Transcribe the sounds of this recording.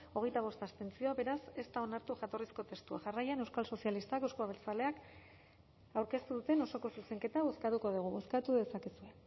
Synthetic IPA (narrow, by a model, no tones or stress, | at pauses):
o̞ɣ̞e̞jt̪aβ̞o̞st̪ast̪e̞nt͡sio̞aβe̞ɾase̞st̪ao̞naɾt̪uʝat̪o̞risko̞t̪e̞st̪ua̰ʝarajane̞wskalso̞sialist̪akewskuaβelt͡sale̞ak | awɾke̞st̪uðut̪e̞no̞so̞ko̞suse̞ŋke̞t̪aβo̞skat̪ukoðuɣ̞uβo̞skat̪uðe̞sakesue̞